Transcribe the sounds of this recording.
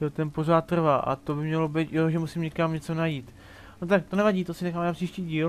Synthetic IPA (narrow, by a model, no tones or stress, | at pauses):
ɛt̪ɛnpo̞raːt̪̚t̪ːr̩vaːʔa̰t̪o̞bɪmɲɛlo̞bɪt̪joʒɛmusɪmɲɛkamɲɛt͡so̞najiːt̪ | not̪ak̚t̪onɛvaɟiːt̪osɪnɛxaːmnapr̥iːʃciːɟiːl